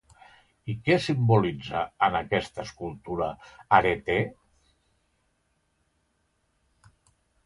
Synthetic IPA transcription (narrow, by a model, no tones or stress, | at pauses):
ikɛsimbulid͡zəənəkɛst̪əːskulˠt̪uɾəaɾet̪e